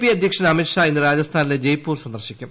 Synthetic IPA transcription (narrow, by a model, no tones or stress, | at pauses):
piɐd̪ʱjɐkʂɐnɐmiʈʂaːenːɨɾaːd͡ʑɐst̪ʰaːniled͡ʑejpːuːrsɐnd̪ɐrɕikʲːum